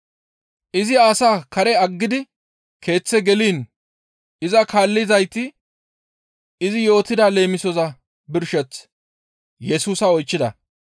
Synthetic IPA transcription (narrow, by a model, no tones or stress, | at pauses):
ʔɪzɪaːsaːkɐɾɛɐɡːɪd̪ɪ | kʰe̞ːt͡sːɛɡɛliːn | ɪzɐkaːlːɪzɐjt̪ɪ | ɪzɪjo̞ːt̪ɪd̪aːle̞ːmɪsɔzɐ | bɪɾʃɛt͡s | jɛsuːsɐɔjt͡ʃːɪd̪ɐ̰